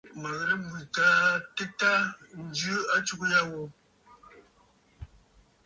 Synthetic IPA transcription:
mə˨ɣɾə˦bwi˨kaː˨˦te˦ta˦n̩˦d͡ʒʉ˦a˦t͡ʃu˦kja˦wo˨

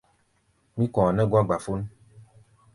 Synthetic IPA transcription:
mĩ˦kɔ̃˨a˨nɛ̃˦ɡɔ˦a˦ɡ͡ba˨fo˦n˦

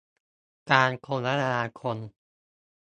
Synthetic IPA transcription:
kaː˧nkʰo˧ŋla˦˥ɾa˧aː˧kʰo˧n

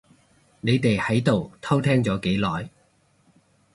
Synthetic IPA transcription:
ne˨˧jt̪e˨jhɐ˨˥jt̪o˨wt̪ʰɐ˥wt̪ʰɛː˥ŋt͡sɔː˨˥ke˨˥jlɔː˨j

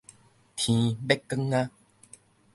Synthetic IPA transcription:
t̪ʰĩ˨be˦˥kːə˦ŋːa˦

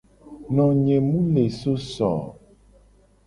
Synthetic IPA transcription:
nɔ̃˨ɲẽ˨mũ˦le˨so˦sɔ̰˨

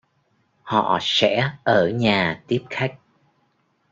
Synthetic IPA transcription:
hɔ̰˧˨sɛ̰˧˥ʔəː˧˩ɲaː˨˩t̪i˦˥əp̚xa˦˥jk̟̚

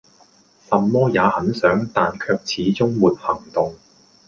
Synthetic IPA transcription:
sɐ˨mmɔː˥jaː˨˧hɐ˨˥nsœː˨˥ŋt̪aː˨nkʰœː˧k̚t͡sʰiː˨˥t͡sʊ˥ŋmuː˨t̚hɐ˨˩ŋt̪ʊ˨ŋ

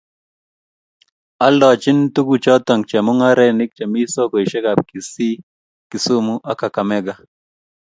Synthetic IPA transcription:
a˦lɔ˨t͡ʃɪ˦ntu˦ku˨t͡ʃɔ˦t̪ɔ˨ŋt͡ʃɛ˨mʊ˦ŋa˦ɾɛ˦nɪ˦k̚t͡ʃa˨mi˦so˦ko˨i˨ʃɛ˦ɡa˨p̚ki˨si˦ | kɪ˨su˦mu˦ʔa˦ka˨ka˨mɛ˦ɡa˨

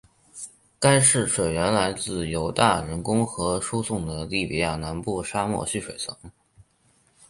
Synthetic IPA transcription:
ka˥ɪʂɻ̩˥˩ʂwe˨˩ɪɥɛ˧˥nla˧˥ɪt͡sɹ̩˥˩jo˧˥ʊt̪a̰˥˩ɻə˧˥nkʊ˥ŋxɤ˧˥ʂu˥sʊ˥˩ŋd̪ə˩li˥˩pḭ˨˧˩ja˥˩na˧˥npu˥˩ʂa˥mwɔ̰˥˧ɕy˥˩ʂwe˨˩ɪt͡sʰɤ˧˥ŋ

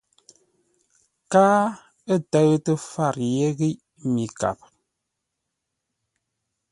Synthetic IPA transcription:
kaː˦ | ə˦˨tə˦ɣtə˦fa˦˨ɾje˦ɣi˦ʔ | mi˨ka̰˨p̚

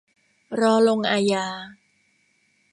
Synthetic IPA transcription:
ɾɔː˦˥lo˧ŋʔaː˧jaː˧

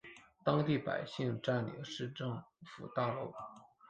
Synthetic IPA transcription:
t̪ɑ˥ŋt̪i˥˩pa̰˨˩ɪɕi˥˧ŋʈ͡ʂa˥˩nlḭ˧˥ʂɻ̩˥˧ʈ͡ʂɤ˥˩ŋfṵ˨˩t̪ɑ˥˧ʊlu˥˩ʊ

